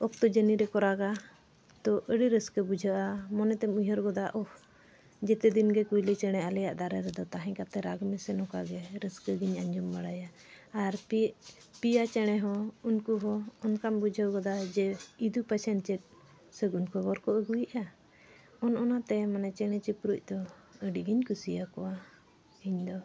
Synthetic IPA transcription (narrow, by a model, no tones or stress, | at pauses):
ɔk̚t̪ɔd͡ʒəniɾɛkɔɾaɡa | t̪ɔʔəɽiɾəskəbud͡ʒʱəʔamɔnɛt̪ɛmujəɾɡɔd̪aʔɔh | d͡ʒɛt̪ɛd̪inɡɛkujlɛt͡ʃɛɽ̃ɛalɛjaʔd̪aɾɛɾɛd̪ɔt̪aɦɛ̃ɲkat̪ɛɾaɡmɛsɛnɔkaɡɛɾəskəɡiɲaɲd͡ʒɔmbaɽajaː | ɾpiʔpijat͡ʃɛɽ̃ɛɦɔunkuɦɔɔnkambud͡ʒʱəwɡɔd̪ad͡ʒɛid̪upɛsɛnt͡ʃɛt̪̚ | səɡunkɔbɔɾkɔʔəɡujʔa | ɔnʔɔnat̪ɛmanɛt͡ʃɛɽ̃ɛt͡ʃipɾuc̚ˀd̪ɔəɖiɡiɲkusijakɔwa | iɲd̪ɔ